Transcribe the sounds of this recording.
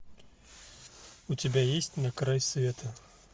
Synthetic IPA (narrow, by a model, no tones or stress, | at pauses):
utʲɪbʲajesʲtʲnɐkɾajsvʲet̪ʰɐ